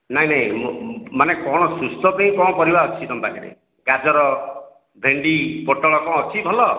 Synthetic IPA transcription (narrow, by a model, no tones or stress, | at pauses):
naɦĩnaɦĩmmanekɔɽ̃ɔsɾust̪ɔpaĩkɔ̃pɔɾibaɔt͡ʃʰit̪ɔmbaka̰ɾḛ | ɡad͡ʒɔɾɔ | bʱeɳɖipɔʈɔɭɔkɔ̃ːt͡ʃʰibʱɔlɔ